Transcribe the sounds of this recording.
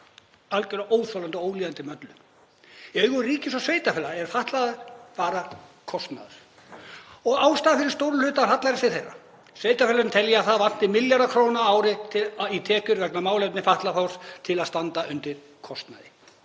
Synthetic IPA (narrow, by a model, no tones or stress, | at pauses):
alcʏɾaʔoːwθɔlant̪ɔoːwliːðant̪ɪmœt̪lʏ | eɥɣʏriːcɪsɔsveːjt̪afɛːlaɛɾ̥faht̪laðʏɾpaːɾakʰɔst̪na̰ðʏ̰ɾ̥ | ɔɣaːwst̪aːðfɪɾɪɾ̥st̪owɾʏlʏːht̪aɦat̪laɾɪsɪθejrːa̰ | sveːjt̪afɛlaɾʏnt̪ʰɛljɪaθaðvan̥t̪ɪmɪljaɾðakʰɾoːwnaaːwɾɪt̪ʰɪit̪ʰɛːkʏɾkaknamaːwlɛpnɪfaht̪lafaw̥st̪ʰɪlaðst̪ant̪aʏnt̪ɪɾ̥ | kʰɔst̪na̰ðɪ